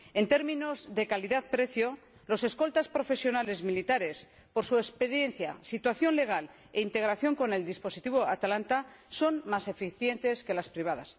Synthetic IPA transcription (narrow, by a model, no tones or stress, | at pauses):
e̞nt̪e̞ɾmĩno̞zðe̞kaliðaðpɾe̞θjo̞ | lo̞se̞sko̞lt̪aspɾo̞fe̞sjo̞nale̞zmilit̪aɾe̞s | po̞ɾsuespe̞ɾjen̟θjasit̪waθjo̞nle̞ɣ̞al | e̞int̪e̞ɣɾaθjo̞ŋko̞ne̞ld̪ispo̞sit̪iβoat̪alant̪aso̞nmase̞fiθje̞nt̪e̞ske̞laspɾiβ̞aðas